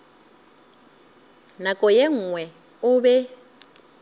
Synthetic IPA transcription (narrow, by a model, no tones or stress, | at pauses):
nakʼɔjeŋ̩ːŋwɛ | ʊbɛ